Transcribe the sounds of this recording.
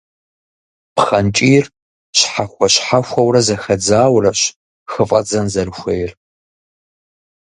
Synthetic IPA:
pχɐnt͡ʃʼiːr | ɕħaxʷɐɕħaxʷɐwɾɐzɐxɐd͡zaːwrɐɕ | xɨfʼɐd͡zɐnzɐrɨxʷejɪr

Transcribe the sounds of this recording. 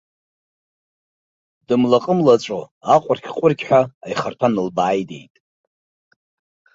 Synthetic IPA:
dɨmlaqʼəmlat͡ʃʷʼoaqʷʼʊrkʲʰqʷʼʊrɡʲʰʼħʷᶣaːjχartʷʰanɨlbaːjde̞̰jtʼ

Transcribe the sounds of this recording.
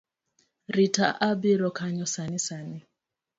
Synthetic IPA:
ɾita̰ʔabiɾɔkʰaɲɔsanisani

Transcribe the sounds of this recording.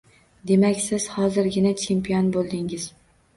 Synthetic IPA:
d̪e̞makʲsɪz̥hɒzɪɾɡʲɪnat͡ʃʰe̞mpijɒnbolˠd̪ɪŋɪz̥

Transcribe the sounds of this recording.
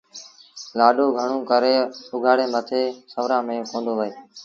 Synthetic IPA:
laːɗoːɡʱəɳ̤õːkəɾeːʊɡʱaːɽeːmət̪ʰeːsəʋɾãːmẽːõːkõːnd̪oːʋəeː

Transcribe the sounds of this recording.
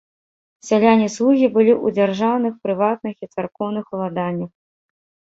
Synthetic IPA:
sʲalʲanʲislˠuɣʲibɨlʲiʔud͡zʲarʐawnɨxpɾɨvat̪nɨxit̪sarkɔwnɨxlˠad̪anʲːɐx

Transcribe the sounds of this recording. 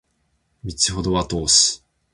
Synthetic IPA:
mʲit͡siɦo̞d̪o̞βat̪o̞ːsɨ̥

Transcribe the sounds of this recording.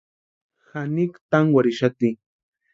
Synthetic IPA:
xanikt̪aŋwaɾiʃat̪i

